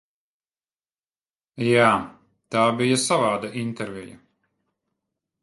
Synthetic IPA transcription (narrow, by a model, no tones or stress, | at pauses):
jaː | t̪aːbʲijasavaːd̪aʔint̪ɛɾvʲɛjɐ̰